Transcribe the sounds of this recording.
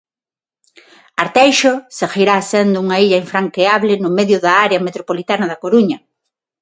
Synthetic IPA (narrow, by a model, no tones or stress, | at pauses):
aɾt̪ɛjʃosexiɾasend̪ʊuŋɐiʎɐiɱfɾaŋkeaβlɪnʊmeðjʊðɐaɾeɐmet̪ɾopolit̪anɐðɐkoɾuɲɐ